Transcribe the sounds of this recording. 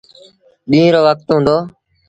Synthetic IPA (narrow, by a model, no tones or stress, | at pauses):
ɓĩːɾoːʋək̚t̪ɦũːnd̪oː